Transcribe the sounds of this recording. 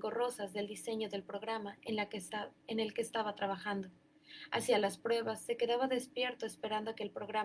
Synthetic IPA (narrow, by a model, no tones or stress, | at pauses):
ɡo̞ro̞sazðe̞ld̪ise̞ɲo̞ðe̞lpɾo̞ɣ̞ɾama | ene̞lke̞ːst̪aβat̪ɾaβ̞axand̪o̞ | a̰sjalaspɾwe̞βasːe̞ke̞ðaβaðespje̞ɾt̪o̞espe̞ɾand̪oke̞ːlpɾo̞ɣɾa